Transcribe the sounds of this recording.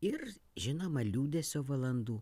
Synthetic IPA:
ɪɾʒʲɪnoːmɐlʲuːd̪ʲɛsʲoːʋɐlˠɐnd̪uː

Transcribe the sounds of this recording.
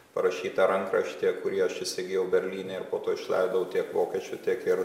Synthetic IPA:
pɐɾɐʃʲiːt̪ɐɾɐŋkɾɐʃt̪ʲiɛkkːʊɾʲiɛɐʃɪsʲɪɡʲɪːjɛʊbʲɛɾʲlʲiːnʲeːɪɾpoːt̪oːɪʃlˠɐ̰ɪd̪ɐʋʊt̪ʲiɛkʋoːkʲiɛt͡ʃʲʊt̪ʲiɛkɪɾ

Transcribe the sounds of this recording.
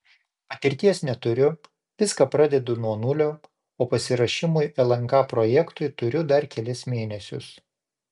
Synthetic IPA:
pɐt̪ʲɪɾʲt̪ʲiɛsnʲɛt̪ʊɾʲʊ | ʋʲɪskɑpɾɑːd̪ʲɛd̪ʊnuɔnʊlʲoː | oːpɐsʲɪɾɐʃʲɪmʊjʔɛlˠɐŋˑkɑːpɾoːjɛkt̪ʊɪt̪ʊɾʲʊd̪ɐɾkʲɛlʲɪsmʲeːnʲɛsʲʊ̰s

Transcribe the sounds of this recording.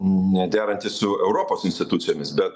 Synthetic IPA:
nʲɛd̪ʲæːɾɐnʲt̪ʲɪssʊɛʊɾoːpoːsɪnʲsʲt̪ʲɪt̪ut̪sʲɪjoːmʲɪsbʲɛt̪

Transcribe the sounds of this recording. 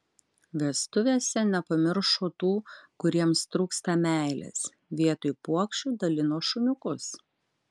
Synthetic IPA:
ʋʲɛst̪ʊʋʲeːsʲɛnʲɛpɐmʲɪɾʃoːt̪uːkʊɾʲiɛmst̪ɾuːkst̪ɐmʲæˑɪlʲɛ̰s | ʋʲiɛt̪ʊjpuɔkʃʲt͡ʃʲuːd̪ɐlʲɪnoːʃʊnʲʊkʊs

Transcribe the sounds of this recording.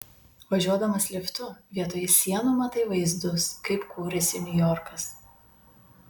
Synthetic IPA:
ʋɐʒʲuɔd̪ɐmɐslʲɪft̪ʊʋʲiɛt̪oːjɪsʲiɛnʊmɐt̪ɐɪʋɐɪzd̪ʊskɐɪpkʰuːɾʲɛsʲɪnʲʊjɔɾkɐs

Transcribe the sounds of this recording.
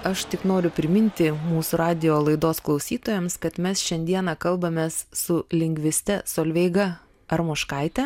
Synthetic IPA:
ɐʃt̪ʲɪknoːɾʲʊpʲɾʲɪmʲɪnʲt̪ʲɪmuːsʊɾɑːd̪ʲɪjoːlˠɐɪd̪oːsklˠɒʊsʲiːt̪oːjɛmskɐt̪mʲɛsʃʲɛnʲd̪ʲiɛnɑkɐlˠbɐmʲeːssʊlʲɪŋʲɡʲʋʲɪsʲt̪ʲɛsoːlʲʋʲɛɪɡɐ | ɐɾmʊʃkɐɪt̪ʲɛ

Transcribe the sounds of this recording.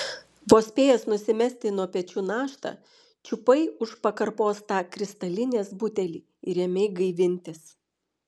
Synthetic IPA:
ʋoːsʲpʲeːjɛsnʊsʲɪmʲɛsʲt̪ʲɪnuɔpʲɛt͡ʃʲuːnɑːʃt̪ɑ̰ | t͡ʃʲʊpɐɪʊʃpɐkɐɾpoːst̪ɑːkɾʲɪst̪ɐlʲɪnʲeːsbʊt̪ʲɛlʲḭː | ɪɾʲɛmʲɛɪɡɐɪʋʲɪnʲt̪ʲɪs

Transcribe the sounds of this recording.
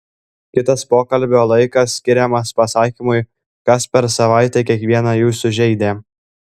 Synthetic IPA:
kʲɪt̪ɐspoːkɐlʲbʲoːlˠɐɪkɐsːʲkʲɪɾʲɛmɐspɐsɑːkʲimʊɪ | kɐspʲɛɾsɐʋɑˑɪt̪ʲekʲiɛkʋʲiɛnɑjuːsʊʒʲɛɪd̪ʲeː

